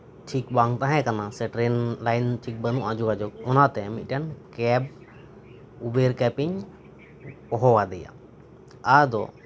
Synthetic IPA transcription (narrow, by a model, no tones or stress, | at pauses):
ʈʰikbaŋt̪ãɦɛ̃kanasɛʈɾɛnlajnʈʰik̚bənuʔad͡ʒɔɡad͡ʒɔk̚ɔnat̪ɛmit̪̚ˀʈankɛb̚ | ubeɾkɛpiɲ | pɔɦɔwad̪ɛja̰ | ad̪ɔ̰